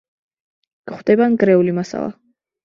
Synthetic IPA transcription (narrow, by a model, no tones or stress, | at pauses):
ɡ̥χwd̪̥ɛbanɡɾɛulimasa̰lˠa̰